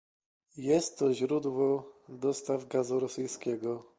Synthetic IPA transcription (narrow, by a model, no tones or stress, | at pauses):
jɛst̪ːɔʑɾud̪wɔd̪ɔst̪avɡazuɾɔsɘjskʲɛɡɔ